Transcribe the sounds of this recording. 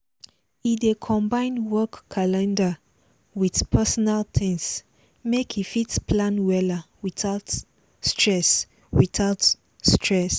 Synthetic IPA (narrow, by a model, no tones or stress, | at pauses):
idekʰɔ̃mbãɪ̃nwɔkʰːalɛ̃nda | wiθpʰɛsɔnaltʰĩŋs | mekʰifitspʰlãnwɛlawiθaʊt | stʰɹɛs | witaʊt | stʰɹɛs